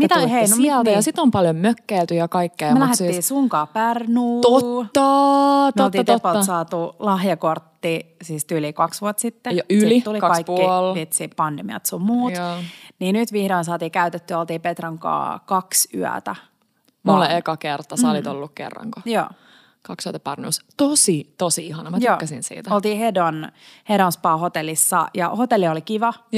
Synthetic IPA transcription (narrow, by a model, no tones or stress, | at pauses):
mit̪æoliheinomiælt̪æjɑsit̪ompɑljommøkːeilt̪yjɑkɑikːeːmlæheːiːsuŋkɑːpærnuːtoɑtmlt̪iːt̪etpːɑlsɑːt̪ulɑhjɑkort̪ːisiːst̪ylikɑksʋuɑt̪sit̪ːejɑyslit̪ulikkɑikːilʋit̪sippɑndemiɑ̰t̪sommuːt̪niːnyt̪ʋihɾoinsɑːt̪iːkæyt̪et̪ːyæolt̪iːpet̪rɑŋkɑ̰ːkɑksy̰æ̰t̪æ | mulːeekɑkert̪ːɑssɑlit̪olːukkḛrːɑ̰ŋkojo̰ː | kɑksyæt̪ɑpɑrnṵst̪osit̪osiihɑnɑmɑt̪yoːæsinsḭːt̪æolt̪iːhedonheɾonspɑːhot̪elːˑisːɑ̰jɑ̰hot̪elːiolikiʋɑ